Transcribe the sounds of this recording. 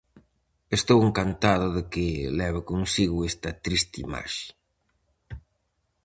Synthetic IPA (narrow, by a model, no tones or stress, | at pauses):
est̪oweŋkant̪aðʊðɪkɪlɛβ̞akonsiɣʊest̪ɐt̪ɾist̪ima̰ʃɪ̥